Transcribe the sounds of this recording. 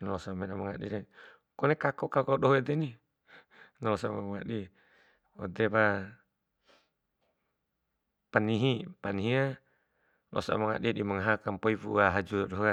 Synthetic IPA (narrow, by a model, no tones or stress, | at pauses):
nalɔsamenamaŋa̰dḭɾɛ | kɔnekakɔkaukauɗoɦed̪ɛni | nalɔsamamaŋa̰ɗi | ɔ̰d̪eβa | paniɦipaniɦia | lɔ̰sa̰maŋa̰ɗidimaŋaɦakampoivṵaɦad͡ʒudɔɗoɦa